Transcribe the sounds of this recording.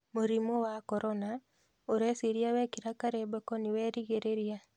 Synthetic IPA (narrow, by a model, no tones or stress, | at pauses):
muɾimowakɔɾɔna | oɾesiɾjawɛkiɾakaɾebɛkɔniwɛɾiɣeɾeɾia